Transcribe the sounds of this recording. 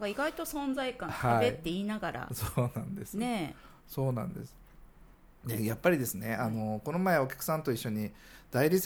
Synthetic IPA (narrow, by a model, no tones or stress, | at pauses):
ɡaiɡait̪o̞sõ̞nzaikãhaaet̪ːe̞iːnaɡaɾa̰soːnãnd̪esɨne | so̞ːnã̰nd̪e̞̰sɨ̥ | d̪ejapːaɾʲid̪e̞sɨne̞ano̞ko̞nomaeo̞kʲḁkɯ̟̥sãnt̪o̞iɕːoɲ̟i | d̪̥aiɾʲit͡s